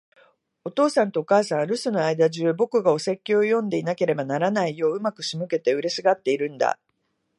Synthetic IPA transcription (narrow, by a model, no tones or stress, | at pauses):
ot̪o̞ːsãnt̪o̞ːkaːsãɰ̃ɾɯ̟sɨno̞aid̪aʑɨːbo̞kɯ̟ɡao̞se̞kʲːoːjõ̞nd̪e̞inake̞ɾe̞banaɾanaijo̞ːɯ̟makɯ̟ɕimɯ̟ke̞t̪e̞ɯ̟ɾe̞sɨɡat̪ːe̞iɾɯ̟̃nd̪a̰